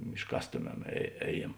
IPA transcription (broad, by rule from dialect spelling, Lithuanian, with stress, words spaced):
ɪʃˈkɑːstoːˌmʲɛm ɛ ˈɛːˌjiɛm